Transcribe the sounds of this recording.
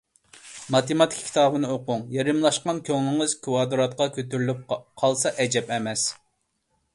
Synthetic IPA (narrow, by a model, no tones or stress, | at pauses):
mɑt̪ʰemɑt̪ʰɪ̥kʲʰi̥t̪ɑːbɨnɨoqʊŋjɑɾɨmlˠɑʃqɑnkʲʰøŋlɪŋɨz̥kʲʰuwɑːd̪ɨɾɑt̪̚qɑkʲʰøt̪yɾlyp̚qʰɑlˠsɑʔɛd͡ʒɛpɛmɛs